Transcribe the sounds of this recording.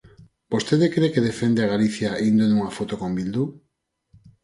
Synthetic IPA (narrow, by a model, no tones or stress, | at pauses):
b̥ost̪eðekɾekeðefend̪eaɣaliθjaind̪onuŋafot̪okombild̪u